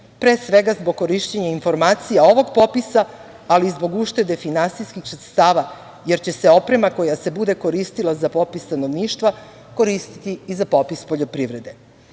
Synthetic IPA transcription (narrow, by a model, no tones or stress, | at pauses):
pɾeːsʋe̞ɡazboɡ̚kːo̞ɾiʃt͡ɕeɲainfo̞ɾmaːt̪sijao̞ʋo̞ɡpo̞pisa | alizbo̞ɡuʃt̪e̞d̪e̞finansijskixsɾet̪st̪aːʋa | je̞ɾt͡ɕe̞seo̞pɾe̞mako̞jase̞bud̪e̞ko̞ɾist̪ilˠazapo̞pist̪ano̞ʋniːʃt̪ʋa | ko̞ɾist̪i̥t̪iːzapo̞pispo̞ʎo̞pɾiʋɾe̞d̪e̞